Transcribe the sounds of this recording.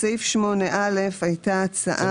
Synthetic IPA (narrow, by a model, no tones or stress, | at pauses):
sejfʃmo̞neʔale̞fajtaːt͡sa̰ʔa